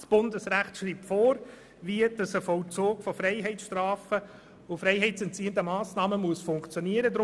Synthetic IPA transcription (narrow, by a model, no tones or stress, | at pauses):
sb̥ʊndəsræχtʃriːp̚tfɔːɾ | viədɑsəfɔlt͡soːkfɔfɾɛɪɦɛɪt͡ssʃtrɑːfə | ʊfɾɛɪɦɛɪt͡sɛntt͡siːəntəmɑːsnɑːməmuəsfʊŋkt͡sjɔniəɾədɾʊ